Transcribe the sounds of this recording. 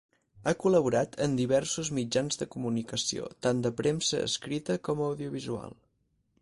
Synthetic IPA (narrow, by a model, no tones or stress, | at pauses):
akuləβ̞uɾat̪ʰənd̪iβɛrsuzmid͡ʒanzðəkumunikəsio̰t̪and̪əpɾemsəə̰skɾit̪əkɔməwðiuβizua̰lˠ